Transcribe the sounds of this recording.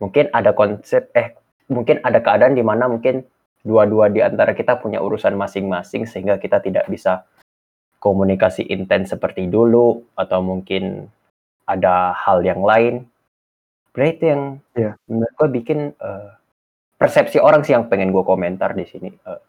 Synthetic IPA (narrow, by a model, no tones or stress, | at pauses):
muŋkɪnadakɔnsɛp̚ɛh | muŋkɪnadakəadaːndimanamuŋkɪn | duaduadiant̪aɾakit̪apuɲa̰ʔṵɾusanmasɪŋmasɪŋsəhiŋɡakit̪at̪ida̰ʔbisa | komunikasḭʔint̪ɛnsəpərt̪iduluat̪awmuŋkɪn | ʔadahaljaŋlaɪn | bdait̪ujaŋjaənəɡuabikɪnə | pərsɛp̚sioɾaŋsɪhjaŋpɛŋɛnɡuakoment̪a̰rdisinḭə